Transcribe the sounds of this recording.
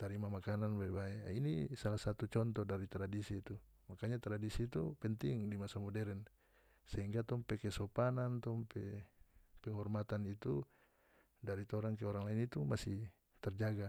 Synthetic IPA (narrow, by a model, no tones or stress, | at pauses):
t̪aɾimamakananbaɛbaɛinisalahsat̪ut͡ʃɔnt̪ɔdaɾit̪ɾadisiːt̪u | makaɲat̪ɾadisiːt̪upɛnt̪iŋdimasamɔdɛɾɛn | sɛɦiŋɡat̪ɔmpɛkɛsɔpanant̪ɔmpɛ | pɛŋɦɔrmat̪anit̪u | daɾit̪ɔɾaŋkɛɔɾaŋlainit̪umasi | t̪ɛrd͡ʒaɡa